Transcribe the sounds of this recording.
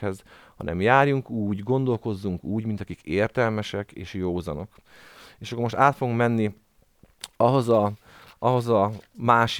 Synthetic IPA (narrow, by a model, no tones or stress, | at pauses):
hɛzhɒ̰nʔɛ̰mjaːrjuŋkuːɟɡo̞nd̪o̞lko̞zːuŋkuːɟmint̪ɒkikeːrt̪ɛlmɛʃɛkḛːʃjoːzɒ̰nok | eːʃɒkormo̞ʃt̪aːt̪foɡomɛnːi | ɒɦo̞zɒ | ɒɦo̞zɒmaːʃ